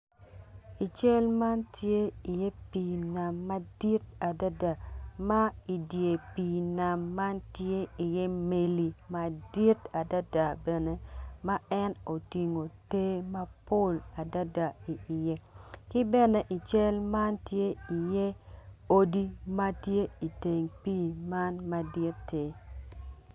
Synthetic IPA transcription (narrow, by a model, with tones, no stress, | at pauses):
i˨t͡ʃe˦lma˦ntje˦i˨jɛ˦pi˨na˨mːa˦di˦ta˨da˦da˨ma˦i˨dje˨pi˨na˨mːa˦ntje˦i˨jɛ˦me˨li˨ma˨di˦ta˨da˦da˨bɛ˨ne˦ma˦ɛ˦no˨ti˨ŋo˨te˦ma˦po˦la˨da˦da˨i˨ʔɪ˨je˦kɪ˦bɛ˦ne˨ʔi˨t͡ʃɛ˦lma˦ntje˦i˨je˦o˦di˦ma˦tje˦i˨te˨ŋpiː˦ma˦nma˨dɪ˦tːe˦